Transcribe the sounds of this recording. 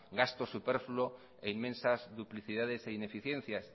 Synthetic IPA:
ɡast̪osupeɾfulo | einmẽnsazðupliθiðað̞eseine̞fiθje̞n̟θjas

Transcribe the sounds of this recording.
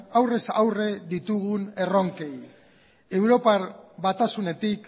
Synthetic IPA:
awre̞sawre̞ðit̪uɣune̞ro̞ŋke̞j | e̞wɾo̞paβat̪asune̞t̪ik

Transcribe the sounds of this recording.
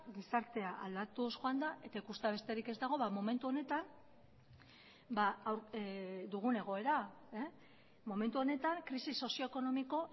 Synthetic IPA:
ɡisaɾt̪e̞aʔald̪at̪usʝoand̪aʔe̞t̪aikust̪aβ̞e̞st̪e̞ɾike̞zd̪aɣ̞o̞βamo̞me̞nt̪uo̞ne̞t̪am | baːwɾd̪uɣ̞une̞ɣ̞o̞e̞ɾae | mo̞me̞nt̪uo̞ne̞t̪aŋkɾisiso̞sio̞eko̞no̞miko̞

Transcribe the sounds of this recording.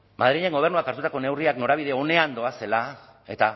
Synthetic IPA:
mað̞ɾiʎeŋɡo̞β̞e̞rnuakaɾt̪ut̪ako̞ne̞wriakno̞ɾaβ̞iðe̞o̞ne̞and̪o̞ase̞la | e̞t̪a

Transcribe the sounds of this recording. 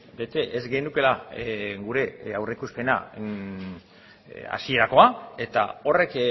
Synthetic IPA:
be̞t̪e̞ʔezɡe̞nuke̞laɡuɾe̞awrekuspe̞na̰ | a̰sie̞ɾako̞ae̞t̪a̰o̞re̞k

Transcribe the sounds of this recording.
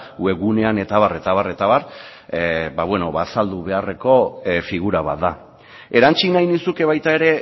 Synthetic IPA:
ue̞ɣune̞ane̞t̪aβare̞t̪aβ̞are̞t̪aβar | baβwe̞no̞βasald̪uβe̞are̞ko̞fiɣuɾaβa̰t̪̚d̪a | e̞ɾant͡ʃinajnisuke̞β̞ajt̪ae̞ɾe̞

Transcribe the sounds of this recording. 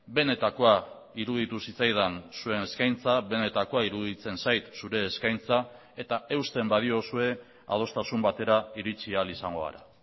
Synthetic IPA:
be̞ne̞t̪ako̞a | iɾuð̞it̪usit͡sajðansue̞ne̞skajnt͡saβe̞ne̞t̪ako̞aiɾuðit͡se̞nsajt̪suɾe̞ːskajnt͡sa | e̞t̪ae̞wst̪e̞mbaðio̞sue̞ | a̰ð̞o̞st̪asumbat̪e̞ɾaiɾit͡sialisaŋɡo̞a̰ɾa̰

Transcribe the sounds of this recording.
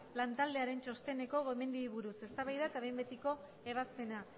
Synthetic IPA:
lant̪ald̪e̞aɾe̞nt͡ʃo̞st̪e̞ne̞ko̞ɣoeme̞nd̪iiβuɾuse̞st̪aβajðaet̪aβe̞mbe̞t̪iko̞ | e̞β̞aspe̞na

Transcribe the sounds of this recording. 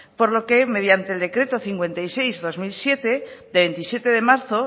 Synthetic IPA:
po̞ɾlo̞ke̞me̞ðjant̪eld̪e̞kɾe̞t̪o̞θiŋkwe̞nt̪ajse̞jzðo̞zmilsje̞t̪e̞ðeβe̞nt̪isje̞t̪e̞ðe̞maɾθo

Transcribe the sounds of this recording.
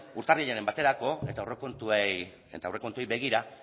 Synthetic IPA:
uɾt̪arɣiʎenembat̪e̞ɾako̞e̞t̪aorekont̪uej | ḛt̪aewre̞ko̞nt̪uejbe̞ɣ̞iɾa

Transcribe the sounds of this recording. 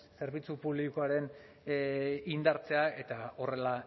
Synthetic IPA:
se̞ɾβ̞it͡supuβlikoaɾe̞n | ind̪aɾt͡se̞ae̞t̪ao̞re̞la

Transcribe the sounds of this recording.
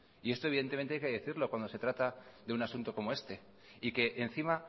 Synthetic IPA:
ie̞st̪oe̞βiðe̞nt̪e̞mnajkeðe̞θiɾlo̞kwand̪o̞se̞t̪ɾat̪aðe̞unasunt̪o̞ko̞mo̞e̞st̪e̞ | ike̞ʔen̟θima

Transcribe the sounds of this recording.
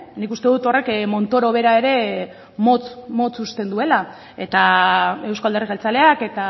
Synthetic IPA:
nikust̪e̞ðut̪o̞re̞kmo̞nt̪o̞ɾo̞β̞e̞ɾae̞ɾe̞ | mot͡smo̞t͡sust̪e̞nd̪ue̞la | e̞t̪ae̞wskoald̪e̞riɣelt͡sale̞ake̞t̪a

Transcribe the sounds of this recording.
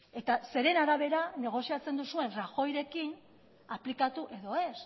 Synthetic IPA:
e̞t̪ase̞ɾe̞naɾaβ̞e̞ɾane̞ɣ̞o̞siat͡se̞nd̪usue̞nraxo̞jɾe̞kin | aplikat̪uʔe̞ðo̞e̞s

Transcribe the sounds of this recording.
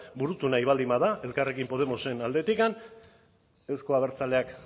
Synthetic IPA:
buɾut̪unaiβald̪imaðae̞lkare̞kimpo̞ð̞e̞mo̞se̞nald̪e̞t̪ikan | e̞wskoaβ̞e̞ɾt͡sale̞ak

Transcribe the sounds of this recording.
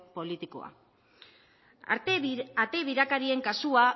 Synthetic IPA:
po̞lit̪iko̞̰a̰ | at̪e̞βiɾakaɾie̞ŋkasua

